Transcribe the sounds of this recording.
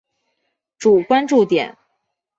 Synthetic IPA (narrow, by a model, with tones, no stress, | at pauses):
ʈ͡ʂu˨˩kwa˥nʈ͡ʂu˥˩t̪jɛ̰˨˩˦n